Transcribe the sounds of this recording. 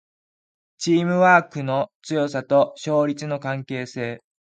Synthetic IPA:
t͡ɕiːmɯ̟βaːkɯ̟no̞t͡sɨjo̞sat̪o̞ɕo̞ːɾʲit͡sɨno̞kãŋke̞ːse̞ː

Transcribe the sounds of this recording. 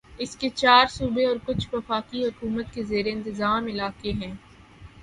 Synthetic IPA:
ɪsket͡ʃaːɾsuːbeɔːɾkʊt͡ʃʰʋɐfaːkiɦʊkuːmət̪kezeːɾeɪ̃nt̪ɪzaːmɪlaːkeɦɛ̃ː

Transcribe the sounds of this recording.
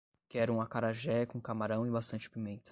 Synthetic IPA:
kɪɛɾũmɐkaɾaʒɛɐkõkamaɾɐ̃w̃ɪbast̪ɐ̃nt͡ʃɪ̥pimẽnt̪ɐ̥

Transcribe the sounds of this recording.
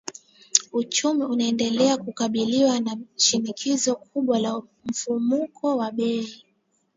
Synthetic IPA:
ut͡ʃumiunaɛndɛlɛakukaɓiliwanaʃinikʰizɔkʰuɓwalam̩fumukʰɔwaɓɛi

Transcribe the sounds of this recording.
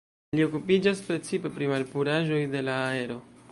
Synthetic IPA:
lio̞kupid͡ʒaspɾe̞t͡sipe̞pɾimalpuɾaʒo̞jde̞laːe̞ɾo̞

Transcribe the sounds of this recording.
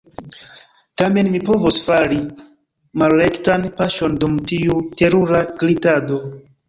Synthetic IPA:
tame̞nmipo̞vosfaɾi | malːektanpaʃo̞ndumtiute̞ɾuɾaɡɾitado̞

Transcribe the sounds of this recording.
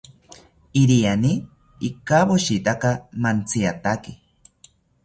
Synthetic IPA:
iɾiani | ikaβoʃit̪akamant͡sʰiat̪aki

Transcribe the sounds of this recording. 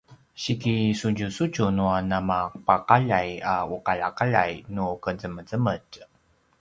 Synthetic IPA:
ɕikisuɲd͡ʒusud͡ʒunuanamapaqaʎajauqaʎakaʎa̰jnukəd͡zəməd͡zəməɟ

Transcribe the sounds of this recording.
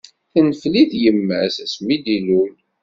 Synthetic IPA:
θənəfliθjəmːəsæsmid̪ilul

